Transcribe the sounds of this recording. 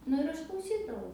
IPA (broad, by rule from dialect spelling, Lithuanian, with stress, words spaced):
ˈnʊ ɪr ˈɐʃ klˠɐʊˈsʲiːdɐʋɐʊ